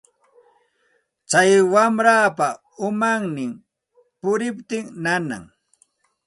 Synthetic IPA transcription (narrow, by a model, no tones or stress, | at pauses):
t͡ʃajwamɾaːpa | ʊmaŋnɪm | pʊɾɪpt̪ɪŋnana̰ŋ